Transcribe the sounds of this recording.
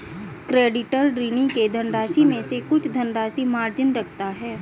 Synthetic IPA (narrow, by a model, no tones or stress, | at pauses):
kɾeːɖɪʈəɾɖɾinɪ̃ŋked̪ʱɐnɾaːʃimẽsekʊt͡ʃʰd̪ʱənɾaːsimaːɾd͡ʒɪnɾɐk̚ʰt̪aɦɛː